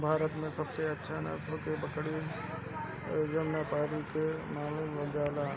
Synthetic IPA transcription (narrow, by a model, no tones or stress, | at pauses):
bʱaːɾət̪mẽsɐbseɐtːʃʰanɐ̰sokebɐkɽi | d͡ʒɐnːapaːɾikemaːluːmʋɐd͡ʒaːla